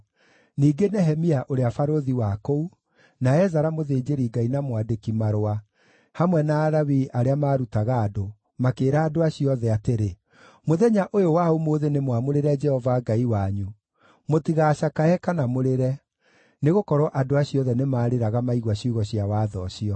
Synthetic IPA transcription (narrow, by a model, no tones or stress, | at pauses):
niːɡenɛɦɛmiaʔoɾeafaɾoðiwakou | naɛzaɾamoðeːd͡ʑeɾiɡainamwadekimaɾoa | hamwɛnaːɾawiʔaɾeamaːɾutaɣaːdo | makeːɾaːdoaɕiɔðɛateɾe | moðɛɲaʔojowaomoːðenemwamoɾeɾɛd͡ʒɛhɔvaɡaiwaɲu | motiɣaːɕakaɛkanamoɾeɾɛ | neɣokɔɾwɔʔadoaɕiɔðɛnemaːɾeɾaɣamaiɣwaɕiuɣɔɕijawaːðɔɕiɔ